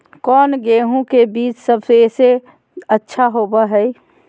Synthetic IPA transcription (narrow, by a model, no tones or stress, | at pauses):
kɔːnɡeɦũkebiːt͡ʃsəbsese | ətːʃʰaɦobəɦɛj